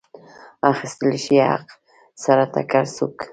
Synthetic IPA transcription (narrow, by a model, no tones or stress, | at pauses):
aχslɪʃjɑ̰q | saɾat̪a̰kaɾsʊk